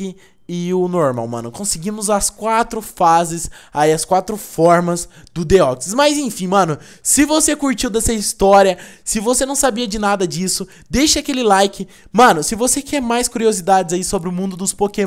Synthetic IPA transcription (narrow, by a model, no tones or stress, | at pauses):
ɪ | ɪʊnoɾma̰wmɐ̰̃nʊkõsɪɡĩmʊzɐskwat̪ɾʊfazɪsaiɐskwat̪ɾʊfɔɾmɐzd̪ʊd̪eɔksɪzmɐzẽfĩmɐ̃nʊ | sɪvosekuɾt͡ʃiwd̪ɛsɐist̪ɔɾiɐsɪvosenɐ̃w̃sabiɐd͡ʒɪnad̪ɐd͡ʒisʊ | d̪ejʃɐakelɪlajkɪ | mɐ̃nʊsɪvosekɛɾmajskuɾiozid̪ad͡ʒɪzaisobɾɪʊmũnd̪ʊd̪ʊspoke